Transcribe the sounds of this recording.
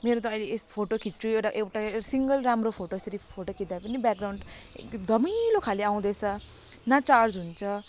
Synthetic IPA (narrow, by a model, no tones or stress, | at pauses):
meɾot̪̬ʌʌjlespʰoʈokʰitt͡sʰuewʈaʔewʈasiŋɡʌlrɾamropʰoʈoest̪ʌɾipʰoʈokʰit̪d̪apʌnibjak̚ɡrawɳɖd̪ʱʌmilokʰaleaw̃d̪et͡sʰʌ | nat͡sard͡zɦunt͡sʰʌ